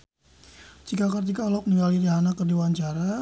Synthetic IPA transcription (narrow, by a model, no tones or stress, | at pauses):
d͡ʒikakərt̪̬ikalɔk̚niŋɡalidiɦanakərdiwaɲt͡ʃaɾa